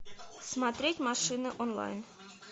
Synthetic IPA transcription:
smɑt̪ɾʲetʲmɑʂɨnɤʔonlˠɑ̰jn

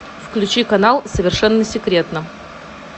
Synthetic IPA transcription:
fklʲʉt͡ɕikɐnalˠsəvʲɪrʂɛnːəsʲɪkɾʲet̪nə

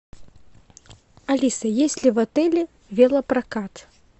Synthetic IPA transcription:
alʲisɐjesʲlʲivat̪ɛlʲɛ | vʲɛlˠɐpɾakat̪

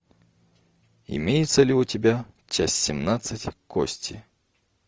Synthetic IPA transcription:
ɪ̰mʲejɪt̪səlʲɪʊtʲɪbʲa | t͡ɕasʲsʲɪmnat̪sɨtʲko̰sʲtʲɪ

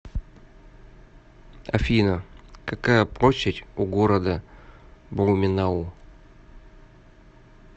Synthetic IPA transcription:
ɐ̰fʲinəkakajəpɾoɕɪtʲuɡoɾəd̪ə | blumʲɪnau

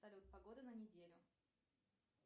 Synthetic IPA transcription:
sɐlʲut̪̚pɐɡo̞d̪ɨnənʲɪdʲelʲʊ

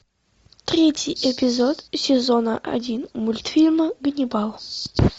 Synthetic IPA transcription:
t̪ɾʲetʲɪjɛpʲɪzot̪sʲɪzonəʔɐ̰dʲinmʊlʲt̪fʲilʲməɡənʲɪbalˠ

